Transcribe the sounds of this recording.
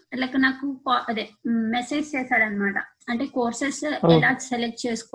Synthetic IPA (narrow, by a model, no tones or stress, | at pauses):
ɐlːɐkːɯnaːkupaːʔɐd̪emɛseːd͡ʒt͡ʃeːsaːɽɐnmaːʈã̰ː | ɐɳʈeːkoːɾsesɛlaːd͡ʒsɛlɛk̚ʈt͡ʃeːsk